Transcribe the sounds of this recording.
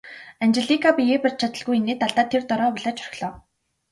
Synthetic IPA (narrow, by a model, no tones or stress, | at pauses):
anʲt͡ɕɪɮikʰapieːpĕr̚t͡ɕʰat̪ə̆ɮɣujeneːt̪aɮt̪aːt̪ʰːert̪ɔɾɔːpʊɮaːt͡ɕʰœr̆ɮɔː